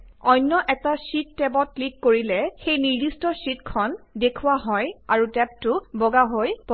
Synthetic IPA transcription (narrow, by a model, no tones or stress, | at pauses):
ɔjnːɔʔɛtasitːɛbɔt̚klikːoɹilɛxejniɹdistɔsitkʰɔndekʰuwaɦɔjaɹutɛp̚tʊbɔɡaɦojpɔ